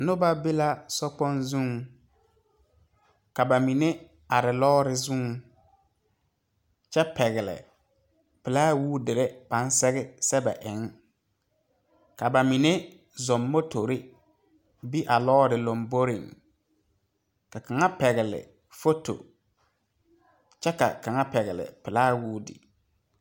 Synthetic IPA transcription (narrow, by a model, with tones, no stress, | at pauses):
nʊ˦ba˦bɪ˦la˦sɔ˦k͡pɔ˦nzũ˦ŋ | ka˨ba˨mi˨ne˦ | a˨ɾɪ˨lɔː˦ɾɪ˦zu˦ŋ | t͡ʃɛ˦pɛ˨ɣɪ˨lɪ̰˨ | pɪ˨laː˦wuː˦dɪ˨ɾɪ˦b̥a˨˦n˦sɛ˦ɣɪ˦sɛ˦ba̰˨ʔɪ˨˦ŋ | ka˨ba˨mi˨ne˦ | zɔ˨mːo˦tʰo˨ɾɪ˦ | bi˦ʔa˨lɔː˦ɾɪ˨lo˨mbo˦ɾɪ˨ŋ | ka˨ka˨ŋa˦pɛ˨ɣɪ˨lɪ̰˨ | fo˦to̰˨ | t͡ʃɛ˦ka̰˨ka˨ŋa˦pɛ˨ɣɪ˨lɪ̰˨pɪ˨laː˦wuː˦dɪ̰˨